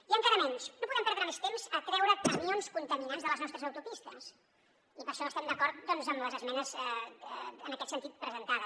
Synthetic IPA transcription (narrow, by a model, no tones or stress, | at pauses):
iəŋkaɾəmɛnʃnopuðɛmpɛɾðɾəmest̪emzəkɾɛwɾəkəmionskunt̪əminanzðələznɔst̪ɾəzəwt̪upist̪əs | ipəɾʃɔəst̪ɛmd̪əkɔɾt̪̚d̪ɔnzəmləzəzmɛnəzɛ | ənəkɛt̪sənt̪it̪̚pɾəzənt̪aðəs